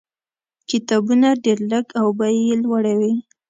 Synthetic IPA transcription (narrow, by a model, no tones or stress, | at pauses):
kɪt̪ɑbunaɖeɾləɡawbajelwaɽawi